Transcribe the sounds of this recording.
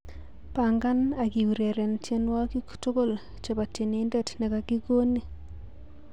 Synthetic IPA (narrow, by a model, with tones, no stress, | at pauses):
pa˨ŋɡa˦na˨ki˨wu˨ɾe˨ɾe˨nt͡ʃje˦nwa˦ki˦kto˦ɡo˦˨l | t͡ʃe˨ba˨te˨ni˦ndɛ˦˨tnɛ˨ka˨ki˦ɡo˦ni˨